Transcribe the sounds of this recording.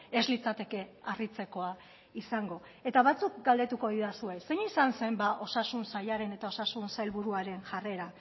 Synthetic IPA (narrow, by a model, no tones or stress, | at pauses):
e̞zlit͡sat̪e̞ke̞arit͡se̞ko̞a | isaŋɡo̞ | e̞t̪aβat͡sukɡald̪e̞t̪uko̞ðiðasuejse̞ɲisanse̞mbaʔo̞sasunsajaɾe̞ne̞t̪ao̞sasunsajlβuɾuaɾe̞nʝare̞ɾa